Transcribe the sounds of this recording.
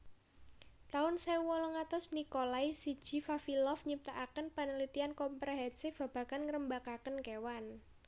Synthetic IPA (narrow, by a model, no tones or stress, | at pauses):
t̪aʊnsɛwɔlɔŋat̪ɔsnikolaisi̥d͡ʒ̥i̤fafilɔfɲip̚t̪aʔakənpənəlit̪iankɔmpɾoɦɛnsɪfb̥a̤b̥a̤kanŋəɾəmbakakənkewan